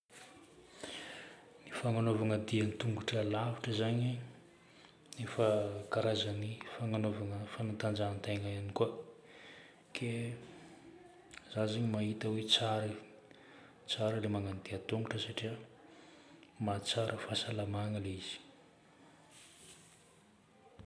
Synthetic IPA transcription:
nifaŋanovaŋəd̪ianit̪uŋɡuʈ͡ʂalaviʈ͡ʂəzaɲi | nefakaɾazənifaŋanovaŋəfanat̪and͡ʒant̪ajŋaanikua | kʰe | zazaɲimaɦit̪əwet͡saɾə | t͡saɾəlemaŋanid̪iat̪uŋɡuʈ͡ʂəsaʈ͡ʂiə | mat͡saɾʔəfasalamaŋəleiz̥i̥

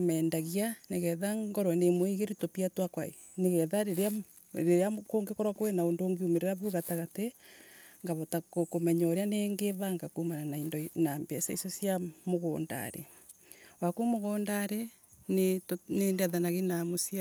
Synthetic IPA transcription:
mɛːndaɣianeɣɛðaɡɔɾɔnemweɣeɾitopiatwakwaḛ | neɣɛðaɾeɾea | ɾeɾeakoːŋɡekɔɾwakoenaondoŋɡiumeɾeɾaβuɣataɣate | ŋɡaβɔtakokomɛɲɔɾeaneŋɡeβaŋɡakumananaindɔnambeasaisɔsjamoɣoːnda̰ɾḛ | wakumoɣondaɾe | nenendɛðanaɣenamosia

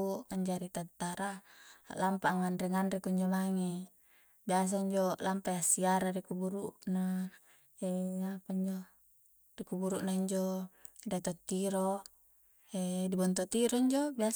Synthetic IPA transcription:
uaɲd͡ʒaɾit̪at̪ːaɾalampaŋanrɛŋanɾekuiɲd͡ʒomaŋi | bias̬aiɲd͡ʒɔlampajasiaɾaɾikubuɾuna | ɛapaiɲd͡ʒo | rikubuɾuʔnaiɲd͡ʒodat̪ot̪ːiɾɔ | ɛʔdibɔnt̪ot̪iɾɔiɲd͡ʒobia

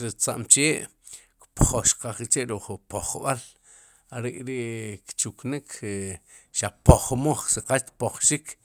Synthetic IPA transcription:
ɾit͡sa̰ʔmt͡ʃeːʔ | kpχoʃqaχit͡ʃeʔɾuχpoχɓal | aɾeʔɾiʔkt͡ʃuknikʰ | ʃapoχmoχsiqapoχʃik

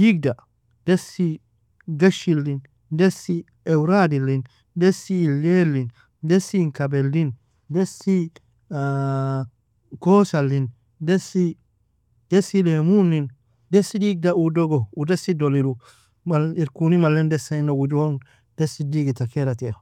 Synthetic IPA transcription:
diɡ̚da | d̥ɛsi | ɡaʃilːin | dɛsi | ɛwɾadilin | dɛsilelːin | dɛsiŋkabɛlːin | dɛsi | kɔsalːin | dɛsi | d̥ɛsilemunːin | dɛsidiɡ̚daudɔɡɔudɛsidolilu | maliɾkunimalːɛndɛsainawud͡ʒuwɔn | d̥ɛsidiɡitakɛɾatɛ

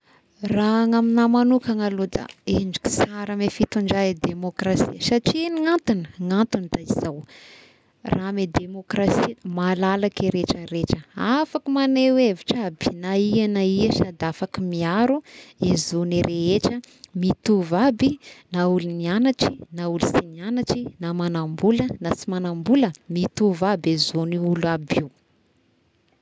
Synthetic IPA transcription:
raŋaminamanukaŋalod̪a̰eɳd͡ʒu̥ki̥saɾəmefit̪uɳɖ͡ʐaed̪emokrasḭəsaʈ͡ʂieniŋant̪unəŋant̪unid̪̥aiz̥aw | ramed̪emokrasimalalakiɾeʈ͡ʂəɾeʈ͡ʂəafakimaneweviʈ͡ʂabinaianaiəʃad̪afakimiaɾuezoniɾʔeɦeʈ͡ʂə | mit̪uvabinaulunianaʈ͡ʂi̥naulusinianaʈ͡ʂinamanambulənasimanambuləmit̪uvabezoniuluabiw

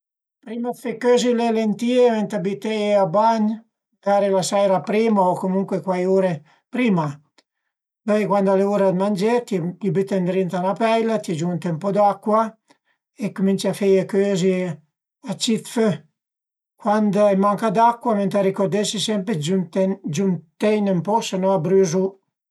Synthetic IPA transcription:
pɾiːmafekøːzilelent̪iːement̪abit̪ejabaɲ | d̪aːɾelasajɾapɾiːmaokomuŋkwekwajuːɾe | pɾiːma | bɛjkwand̪oaleuːɾad̪mand͡ʒet̪iʎibit̪ːend̪ɾint̪anapɛjlat̪id͡ʒunt̪ɛmpod̪akːwa | ekːumint͡ʃafejekøːzi | at͡ʃit̪fø | kwand̪emaŋkad̪akːwament̪aɾikoɾd̪esisɛmpɾeud͡ʒunt̪ɛjnempɔsenɔabɾyzu

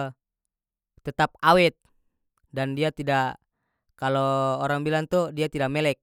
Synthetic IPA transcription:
t̪ət̪ap̚awɛt̪̚ | dandiat̪ida | kaloːɾaŋbilant̪udiat̪idak̚mɛlɛk̚

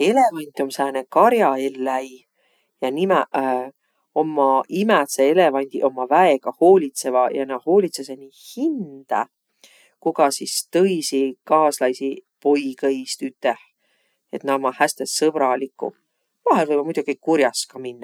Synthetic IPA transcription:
e̞le̞vɑnʲt̪ʲːˑo̞msæːnekɑɾjɑelːæj | jɑnimæ | o̞mːɑimæt̪seele̞vɑnʲd̪̥iʔo̞mːɑvæeɡ̥ɑho̞ːlʲit̪se̞vɑjɑnɑho̞ːlʲit̪sesenihind̪̥ɑ̰ | kuɡ̥ɑsist̪ɤ̞jsikɑːslɑjsipo̞jkɤjst̪yt̪ːˑeh | e̞t̪nɑomːɑhæst̪essɤb̥ɾɑlikːṵ | vɑɦelvɤjbɑmujd̪ukikuɾjɑskɑminːɑ

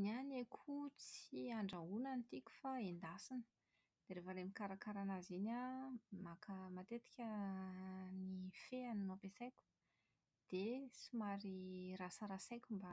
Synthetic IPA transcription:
nanekʰut͡siaɳɖ͡ʐaunanit̪ikʲu̥faend̪asinə̥ | d̪̥eɾefəɾemikaɾakaɾanazenamakʰəmat̪et̪i̥kʲə | nifeaninapesajkʲu̥ | d̪̥et͡simaɾirasəɾasajkʲumba

